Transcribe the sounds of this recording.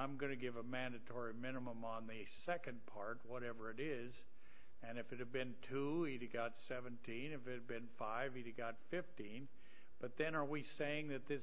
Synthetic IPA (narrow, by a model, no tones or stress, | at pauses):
ãɪ̃mɡʌnɨɡɪvəmæ̃ndɨtʰɔɹimɪ̃nəmə̃mə̃nðɨ | sɛkɨ̃npʰɑɹt̚wʌɾɛvə˞ɨɾɪ | z | ɨ̃nɨfɨɾɨv̚bɨ̃ntʰuiɾɨɡɑtsɛvɨ̃ntʰĩnɨfɨɾɨdbɨ̃nfaɪviɾɨɡɑtfɪftĩn | b̥ʌt̪̚ðɨ̃nə˞wiseɪɪ̃ŋðɨt̪̚ðɪ